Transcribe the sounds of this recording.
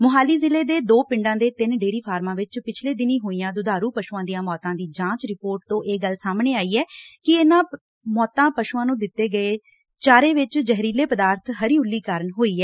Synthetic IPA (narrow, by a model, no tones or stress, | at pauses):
mʊɦaːliːzɪleːd̪eːd̪oːpɪɳɖãːd̪eːt̪ɪnɖeːɾiːpʰaːɾmãːʋɪt͡ʃpɪt͡ʃʰleːd̪ɪniːɦoːijãːd̪ʊd̪aːɾuːpəʃuːãːd̪ijãːmɔːt̪ãːd̪iːd͡ʒãːt͡ʃɾɪpoːɾʈ̚t̪õːʔeːɡəlsaːmneːaːiːɛːkɪeːnãː | mɔːt̪ãːpəʃuːãːnũːd̪ɪt̪ːeːɡəeː | t͡ʃaːɾeːʋɪt͡ʃd͡ʒəɦɾiːleːpəd̪aːɾt̪ʰɦəɾiːʊlːiːkaːɾənɦoːiːɛː